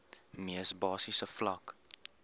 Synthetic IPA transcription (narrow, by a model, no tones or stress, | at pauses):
miəsbɑːsisəflɐk